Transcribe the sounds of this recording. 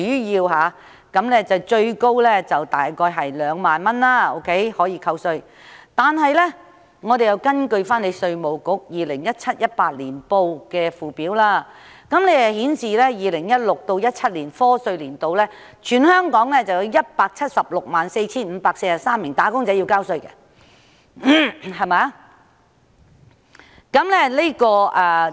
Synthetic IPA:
yː˨˥jiː˧wɦaː˨˧ | kɐ˨˧˥mlɛ˥t͡sɐ˨˩wt͡ʃɵ˧ɥko˥wlɛ˥t͡sɐ˨wt̪aː˨˩jkɔː˧jɦɐ˨jlœː˨˧˥ŋmaː˨nmɐ˥nlaː˧o̰˧˥wkʰe˨˥jhɔː˨˥jiː˧kʰɐ˧wsɵ˧ɥ | t̪aː˨nɦɐ˨jlɛ˥ | ŋɔː˨˧t̪e˨jɐ˨wkɐ˥nkɵ˧ɥfaː˥nle˨˧jsɵ˧ɥmo˨˩wkʊ˨˥k̚jiː˨lɪ˨˩ŋjɐ˥t̚t͡sʰɐ˥t̚jɐ˥t̚paː˧t̚liː˨˩npo˧wkɛː˧fuː˨˩piː˨˥wlaː˥˧ | kɐ˨˥mne˨˥jɐ˨hiː˨˥nsiː˨lɛː˥jiː˨˧lɪ˨˩ŋjɐ˥t̚lʊ˨k̚t̪o˧wjɐ˥t̚t͡sʰɐ˥t̚liː˨˩nfɔː˥sɵ˧ɥliː˨˩nt̪o˧wlɛː˥ | t͡ʃʰyː˨nhœː˥ŋkɔː˨˥ŋlɛː˥t͡sɐ˨wjɐ˨˧wjɐ˥t̚paː˧k̚t͡sʰɐ˥t̚sɐ˨p̚lʊ˨k̚maː˨nse˧jt͡sʰiː˥nm̩ː˨˧paː˧k̚se˧jsɐ˨ksaː˥mːɪ˨˩ŋt̪aː˨˥kʊ˥ŋt͡sɐ˨˥jːi˧wkaː˥wsɵ˧ɥkɛ˧˥ | hɐ˨˩jmaː˨˥ | kɐ˨˥mlɛ˥le˥kɔː˧ʔɛ˨˩

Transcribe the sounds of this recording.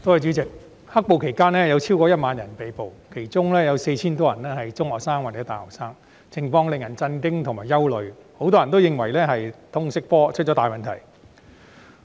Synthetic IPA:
t̪o˥whɐ˨˩jt͡ʃy˨˥t͡sɪ˨k̚ | hɐ˥k̚po˨wkʰe˨˩jkaː˥nlɛː˥jɐ˨˧wt͡sʰiː˥wkɔː˧jɐ˥t̚maː˨˧njɐ˨˩npe˨jpo˨wkʰe˨˩jt͡sʊ˥ŋlɛː˥jɐ˨˧wse˧jt͡sʰiː˥nt̪̬ɔː˥jɐ˨˩nlɛː˥hɐ˨jt͡sʊ˥ŋhɔː˨k̚saː˥ŋwaː˨t͡sɛ˨˧˥t̪aː˨jhɔ̰ː˨˩k̚saː˥ŋ | t͡sʰɪ˨˩ŋfɔː˧ŋlɪ˨ŋjɐ˨˩nt͡sɐ˧nkɪ˥ŋt̪ʰʊ˨˩ŋmaː˨jɐ˥wlɵ˨˧ɥho˨˥wt̪ɔː˥jɐ˨˩nt̪o˥wjɪ˨ŋwɐ˨˩jlɛː˥ɦɐ˨jt̪ʰʊ˥ŋsɪ˥k̚fɔː˥t͡ʃʰt̚t͡ʃɔ˨˥t̪aː˨jmɐ˨˩nt̪ʰɐ˨˩j

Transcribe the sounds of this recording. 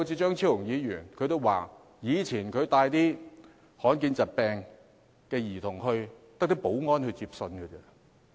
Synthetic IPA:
wt͡sʰiː˧t͡ʃœː˥ŋt͡sʰi˥wʊ˨˩ŋjiː˨˧jyː˨˩nkʰɵ˧jt̪o˥waː˨˩ | jiː˨˧t͡sʰiː˨˩nkʰɵ˨˧ɥt̪aː˧jt̪iː˥ | hɔː˨˥nkiː˧nt͡sɐ˨t̚pɛː˧ŋ | kɛː˧jiː˨˩t̪ʰʊ˨˩ŋɦɵ˧ɥt̪ɐ˥k̚t̪ɐ˥po˨˥wŋɔː˥nhɵ˧ɥt͡siː˧˥p̚sɵ˧nkʰɵ˨˧kɛ˧

